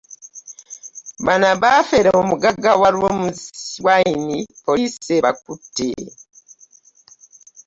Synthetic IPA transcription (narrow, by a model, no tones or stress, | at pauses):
banabafeɾeomuɡaɡawalwomuwainipoliseβak̚utḛ